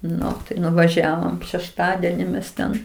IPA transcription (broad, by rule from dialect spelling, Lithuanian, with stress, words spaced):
ˈnʊ tɐɪ nʊʋɐˈʒʲæːʋoːm ʃʲɛʃˈtɑːdʲɛnʲɪ mʲɛs ˈtʲɛn